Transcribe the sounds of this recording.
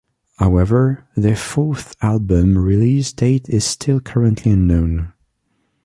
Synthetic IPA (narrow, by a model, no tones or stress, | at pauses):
haʊɛvə˞ðɨfɔɹθalˠbə̃mɹɪlisdeɪɾɪz̥stʰɪlˠkʰɜɹə̃nʔʰliə̃nːõʊ̃n